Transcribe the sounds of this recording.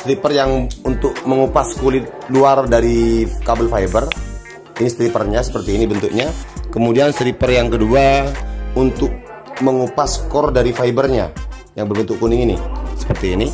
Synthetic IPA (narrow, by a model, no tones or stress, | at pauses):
st̪ɾipərjaŋunt̪ʊk̚məŋupaskulɪt̪̚luardaɾikabəlfaibər | inist̪ɾipərɲasə̥pərt̪iːnibənt̪uk̚ɲakəmudianst̪ɾipərjaŋkədua | unt̪ʊk̚ | məŋupasə̥kɔrdaɾifaibərɲa̰ | jaŋbərbənt̪ʊʔkuniŋinisə̥pərt̪iːni